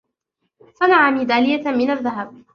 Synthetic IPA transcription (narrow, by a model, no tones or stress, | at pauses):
sanaʕamɪd̪aːlɪjːamɪnaðːaɦab̚